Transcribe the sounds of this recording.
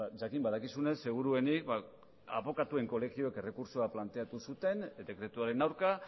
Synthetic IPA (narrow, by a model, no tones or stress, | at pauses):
aʝakimbaðakisune̞sːe̞ɣ̞uɾue̞nik̚ba | aβo̞kat̪ue̞ŋko̞le̞xio̞eke̞re̞kuɾsoaplant̪e̞at̪usut̪e̞nd̪e̞kɾe̞t̪uaɾe̞nawɾka